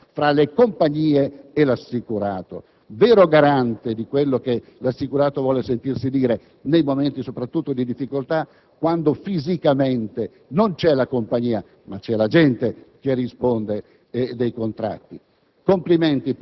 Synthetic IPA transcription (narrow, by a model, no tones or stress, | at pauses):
fɾalekompaɲːiːeelasːikuɾaːt̪o̰ | veːɾoɡaɾant̪ed̪ikwelːok̟elasːikuɾaːt̪ovwɔːlesent̪irsid̪iːɾe | nejmoment̪isopɾat̪ːut̪ːod̪id̪ifːikolt̪a | kwand̪ofizikament̪e | nont͡ʃɛlakompaɲiːa | mat͡ʃɛlad͡ʒɛnt̪ek̟erːispond̪e | d̪ejkont̪ɾa̰t̪ːi | kompliment̪i